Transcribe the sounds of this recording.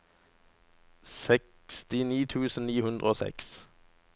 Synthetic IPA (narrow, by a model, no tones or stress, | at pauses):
sɛk | st̪ɪniːt̪ʰʉːsn̩niːhʉnd̪ʁəoːsɛ̰ks